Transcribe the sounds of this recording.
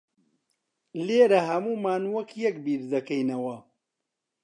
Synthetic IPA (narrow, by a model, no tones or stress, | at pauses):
leːɾɐɦɐmuːmaːnwɐkjɐkbiːɾd̪ɐkɐjnɐwɐ